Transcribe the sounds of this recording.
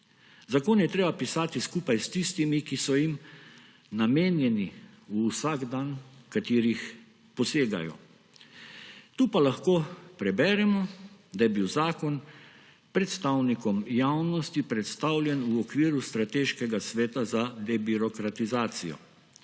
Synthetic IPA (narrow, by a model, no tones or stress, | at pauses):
zakoːnjɛt̪ɾeːbapisaːt̪iskuːpajst̪ist̪imikisɔjim | nameːnjɛni | uːsaɡd̪ankat̪iːɾix | pɔseːɡa̰jɔ̰ | t̪uːpalaxkoːpɾɛbɛɾɛmɔd̪ajɛbiwzaːkɔn | pɾɛt̪st̪awnikɔmjawnɔst̪ipɾɛt̪st̪awlʲjɛnuɔkʋiːɾust̪ɾat̪eːʃkɛɡasʋɛːt̪azad̪ɛbiɾɔkɾat̪izaːt̪sijɔ̰